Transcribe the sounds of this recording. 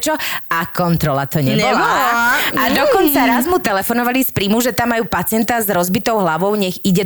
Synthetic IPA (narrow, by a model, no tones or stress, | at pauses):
t͡ʃɔakɔnt̪ɾɔlat̪ɔɲɛɛbɔlaad̪ɔkɔnt͡saɾazmut̪ɛlɛfɔnɔʋalispɾiːmuʒɛt̪amːajuːpat͡sɪɛnt̪azɾɔzbit̪ɔʊɦlaʋɔʊɲɛɣiɟɛ